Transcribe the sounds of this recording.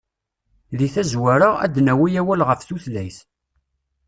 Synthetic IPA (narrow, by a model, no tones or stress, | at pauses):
ðiθæzwæɾəʁæ̰d̪næwijæwælʁəfθuθlæjθ